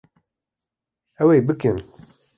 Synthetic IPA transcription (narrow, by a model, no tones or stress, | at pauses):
ɛweːbɨkɨn